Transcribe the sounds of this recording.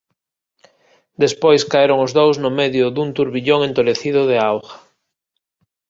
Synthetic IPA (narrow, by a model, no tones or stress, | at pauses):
d̪espojskaeɾʊŋozðowznʊmeðjʊðunt̪uɾβiʎoŋent̪oleθiðʊðeawɣḁ